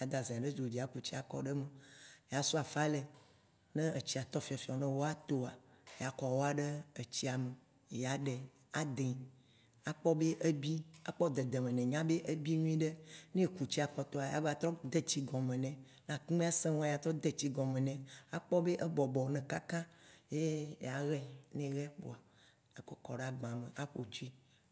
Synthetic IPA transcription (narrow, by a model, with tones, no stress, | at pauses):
ja˨d̪a˨zẽ˨a˨ɖe˦d͡ʒo˨d͡ʒi˨a˨ku˨t͡ɕi˦a˨kɔ̰˦ɖe˦me˨ja˨su˦a˨fa˦le˨ | nẽ˦ə˨t͡ɕi˦a˨t̪ɔ˦fi˨ɔ˨fi˨ɔ˨nɛ̃˦wo˦a˦t̪o˦a˨ | ja˨kɔ˨wo˦a˨ɖe˦ə˨t͡ɕi˦a˨me˨ | ja˨ɖe˨ | a˦d̪e˨ | a˦k͡pɔ˦be˦ʔe˦bi˦a˨k͡pɔ˦d̪e˨d̪e˨mẽ˨nɛ̃˨ɲã˦be˦ʔe˦bi˦ɲũ˦i˦ɖe˦nẽ˦ku˨t͡ɕi˦a˨k͡pɔ˨t̪ɔ˦a˨ja̰˨ba˨t̪ɾɔ˦d̪e˦t͡ɕi˦ɡɔ̃˨mẽ˨nɛ̃˨ | nã˨kũ˦mẽ˦a˦sẽ˦wɔ̃˦a˨ja˨t̪ɾɔ˦d̪e˦t͡ɕi˦ɡɔ̃˨mẽ˨nɛ̃˨a˦k͡pɔ˦be˦ʔe˦bɔ˨bɔ˨˦nɛ̃˨ka˦kã˦je˦ja˨ɣɛ˦nẽ˦ɣɛ˦bo̰˨a˨ | e˨kɔ˨kɔ̰˨ɖe˦a˨ɡ͡bã˨me˨ʔa˦ɸo˨t͡ʃi˦